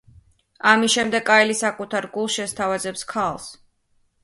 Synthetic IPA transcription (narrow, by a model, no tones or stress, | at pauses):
amisʃɛmd̪ɛɡʼaɛlisakʼut̪ʰaɾɡulˠsʃɛst̪ʰavazɛpskʰalˠs